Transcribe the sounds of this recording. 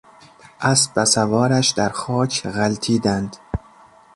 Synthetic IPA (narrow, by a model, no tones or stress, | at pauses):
ʔæsbæsævɒːɾæʃd̪æɾxɒːcʰɣælt̪ʰiːd̪ænd̪̥